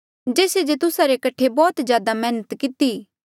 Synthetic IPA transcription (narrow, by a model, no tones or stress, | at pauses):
d͡ʒeːsed͡ʒet̪ʊsaɾekɐʈʰebɔːt̪d͡ʒjaːd̪amɛːnət̪kɪt̪i